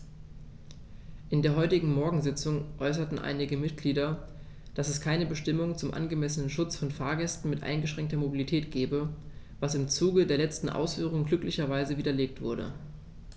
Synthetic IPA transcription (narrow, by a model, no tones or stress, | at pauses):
ʔɪndeːɐɦɔʏtɪɡŋ̩mɔɐɡŋ̩zɪt͡sʊŋʔɔʏs̬ɐtn̩ʔa̰ɪnɪɡəmɪt̚ɡ̥liːdɐ | d̥asɛskʰaɪnəbəʃtɪmʊŋt͡sʊmʔa̰nɡəmɛsənənʃʊt͡sfɔnfaːɐɡɛstn̩mɪtʔa̰ɪnɡəʃʁ̥ɛŋktɐmobilitʰɛːtɡ̥ɛːbə | vasɪmt͡suːɡədeːɐlɛt͡stn̩ʔa̰ʊsfyːʁ̞ʊŋəɡlʏklɪçɐvaɪzəviːdɐleːk̚tv̥ʊɐɾə̰